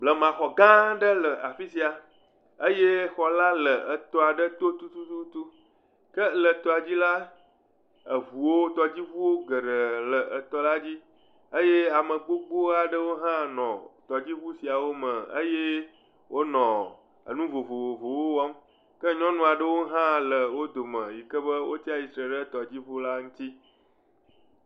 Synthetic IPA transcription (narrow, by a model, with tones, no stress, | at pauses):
blə˨mã˨xɔ˨ɡã˦ɖə˦lə˨ʔa˨fi˦si˦a˨ | ə˦je˦xɔ˨la˦lə˨ə˨t̪ɔ˦a˨ɖə˦t̪o˦t̪u˦t̪u˦t̪u˦t̪u˦ | kə˦lə˨t̪ɔ˨a˨d͡ʑi˦la˦ | ə˨vu˨wo˦t̪ɔ˨d͡ʑi˦vu˦wo˦ɡə˨ɖə˨lə˨ʔə˨t̪ɔ˦la˦d͡ʑi˦ | ə˦je˦a˨mə̃˨ɡ͡bo˦ɡ͡bo˦a˨ɖə˦wo˦ɦã˦nɔ̃˨t̪ɔ˨d͡ʑi˦βu˦si˨a˨wo˦mə̃˨ə̰˦je˦ | wo˦nɔ̃˨ | ə̰˨nũ˦vo˨vo˨vo˨vo˨wo˦wɔ˦m | kə˦ɲɔ̃˦nũ˦a˨ɖə˦wo˦ɦã˦lə˨wo˦d̪o˨mə̃˨ji˨kə˦bə˦wo˦t̪i˦a˨i˨sɾe˨ɖə˦t̪ɔ˨d͡ʑi˦vu˦la˦ŋũ˦t̪i˦